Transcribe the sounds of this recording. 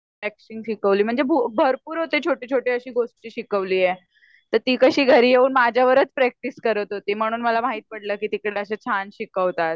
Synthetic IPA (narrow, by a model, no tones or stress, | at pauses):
ækɕiŋɡɕikəʋliːm̤əɳd͡zebʱubʱəɾpuːɾɦot̪et͡ɕʰoʈiːt͡ɕʰoʈiːəɕiːɡoʂʈt͡ɕiːɕikəʋliːe | t̪əɾt̪iːkəɕiːɡʱəɾiːɦeuːnmad͡ʑʱjaʋəɾət͡spɾæk̚ʈiskəɾət̪ɦot̪iːm̤əɽ̃uːnməlamaɦiːt̪̚pəɽləkiːt̪ikɽeəɕet͡ɕʰanɕikəʋt̪at̪